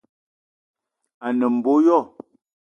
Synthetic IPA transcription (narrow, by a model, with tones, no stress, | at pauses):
a˨nə˨m̩˨bo˦jɔ˦˨